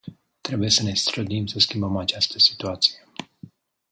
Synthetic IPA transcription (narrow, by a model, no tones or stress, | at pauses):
t̪ɾe̞buje̞səne̞st̪ɾəd̪imsəskʲimbəmat͡ʃast̪əsi̥t̪uat̪si̥je